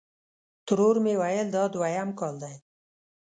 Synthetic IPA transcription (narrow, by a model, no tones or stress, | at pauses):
t̪ʊɾoɾmewajəld̪ɑd̪wajamkɑld̪aj